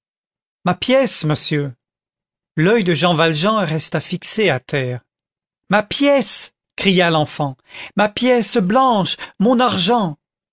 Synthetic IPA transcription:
mapjɛsməsjø | lœjd̪əʒɑ̃valʒɑ̃ʁɛst̪afikseat̪ɛːʁ | mapjɛs | kχijalɑ̃fɑ̃mapjɛsblɑ̃ʃmɔ̃naʁʒɑ̃

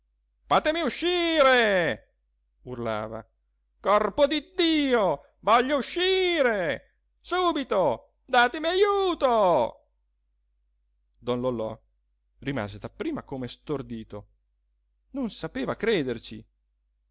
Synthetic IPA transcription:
faːt̪emiuʃːiːɾe | urla̰ːva̰ | kɔrpod̪id̪ːiːo | vɔʎːouʃːiːɾe | suːbit̪o | d̪aːt̪emiajuːt̪o | d̪ɔnlolɔ̰ | rima̰ːzed̪apːɾiːmakomest̪ord̪iːt̪o | nonsapeːvakɾeːd̪ert͡ʃḭ

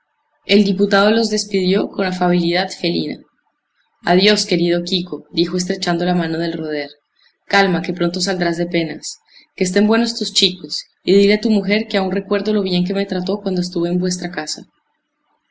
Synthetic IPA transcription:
e̞ld̪iput̪aðo̞lo̞zd̪e̞spiðjo̞ko̞nafaβ̞iliðaðfe̞lḭna̰ | a̰ðjo̞ske̞ɾið̞o̞kiko̞d̪ixo̞e̞s̬t̪ɾe̞t͡ʃand̪o̞lamano̞ð̞e̞lroð̞eɾ | kalmake̞pɾo̞nt̪o̞s̬ald̪ɾazd̪e̞pe̞nas | keːst̪e̞mbwe̞no̞st̪ust͡ʃiko̞s | iðileat̪umuxe̞ɾkeaunre̞kwe̞ɾðo̞lo̞β̞je̞ŋk̬e̞me̞t̪ɾat̪o̞kwand̪oes̬t̪uβeːmbwe̞s̬t̪ɾakasa

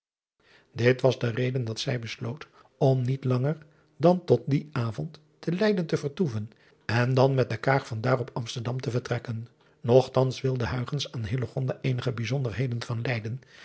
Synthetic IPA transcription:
dɪtʋɑzdərejdəndɑtsɛjbəslowt | ɔmnitlɑŋəɹ | dɑntɔt̚diʔaːvɔntː | əlɛjdəntəvəɹtuvən | ɛndɑnmɛt̚dəkaːkfɑndaːrɔpɑmstəɹdɑmtəvəɹtrɛkən | nɔχtɑnsʋɪlˠdəɦœɥχənsaːnɦɪloχɔndaːʔejnəχəbizɔndəɹɦejdənvɑnlɛjdən

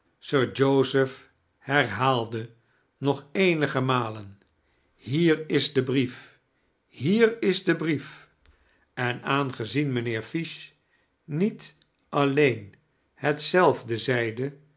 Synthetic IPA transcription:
søːɹd͡ʒowzəf | hɛɹɦaːlˠdə | nɔχejnəχəmaːlən | ɦiːɹɪzdəbrif | hiːrɪzdəbrif | ɛnaːnχəzinmənɪːɹfiʃ | nit | ʔɑlejn | hətsɛlˠvdəzɛjdə

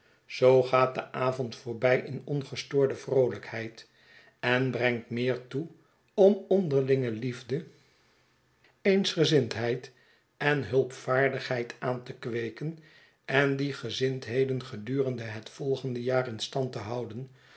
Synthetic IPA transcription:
z̥owχaːt̚dəʔaːvɔntfʊːɹbɛjʔɪnɔnχəstʊːɹdəvrowləkhɛjt | ɛnbrɛŋtmɪːɹtu | ɔmɔndəɹlɪŋəlivdə | ejnsχəzɪntɦɛjt | ɛnɦɵlˠpfaːɹdəχɦɛjtʔaːntəkʋejkən | ɛndiχəzɪntɦejdənχədyːrəndəɦətfɔlˠχəndəjaːrɪnstɑntəɦɑwdən

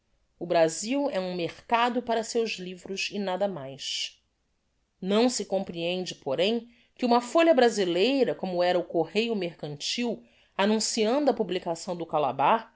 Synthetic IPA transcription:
ʊbɾaziwɛũmeχkad̪ʊpaɾɐsewʒlivɾʊzɪnad̪ɐmajʃ | nɐ̃w̃sɪkõmpɾiẽnd͡ʒɪpoɾẽj̃ | kɪũmɐfoʎɐbɾazilejɾɐkõmʊɛɾɐʊkohejʊmeɾkɐ̃nt͡ʃiw | anũsiɐ̃nd̪ʊɐpublikasɐ̃w̃d̪ʊkala̰baχ

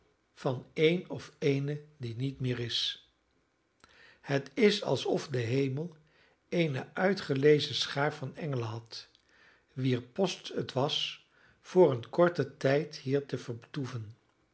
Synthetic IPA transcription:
vɑnejnɔfejnədinitmɪːɹɪs | hətɪsɑ̰lˠsɔfdəɦejməlˠ | ejnəʔœɥtχəlejzəsχaːɹfɑnɛŋələɦɑt | ʋiːɹpɔstətʋɑs | fʊːɹənkɔɹtətɛjtɦiːɹtəvəɹbtuvən

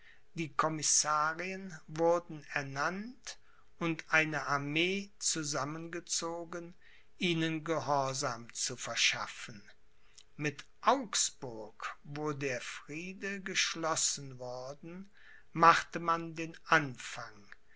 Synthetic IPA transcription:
d̥iːkʰɔmɪsaːʁiənvʊɐdn̩ɛɐnant | ʊntʔaɪnəʔaɐmeːt͡suzamənɡət͡soːɡən | ʔiːnənɡəhɔɐzaːmt͡sufɛɐʃafən̩ | mɪtʔaʊksb̥ʊɐkvoːdeːɐfʁ̥iːdəɡəʃlɔsn̩vʊɐdn̩ | maχtəmandeːnʔanfaŋ

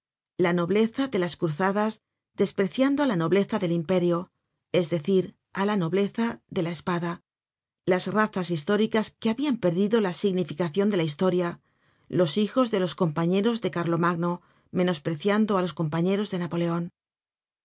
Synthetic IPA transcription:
lano̞βle̞θaðe̞laskɾuθaðaz | d̪e̞spɾe̞θjand̪oalano̞βle̞θaðe̞limpe̞ɾjo̞ | e̞zðe̞θiɾ | alano̞βle̞θaðe̞laespaða | lazraθasist̪o̞ɾikaske̞aβiampe̞ɾðiðo̞lasiɣnifikaθjo̞nd̪e̞laist̪o̞ɾja | lo̞sixo̞zðe̞lo̞sko̞mpaɲe̞ɾo̞zðe̞kaɾlo̞maɣno̞ | mẽ̞no̞spɾe̞θjand̪oalosko̞mpaɲe̞ɾo̞zðe̞napo̞le̞o̞n

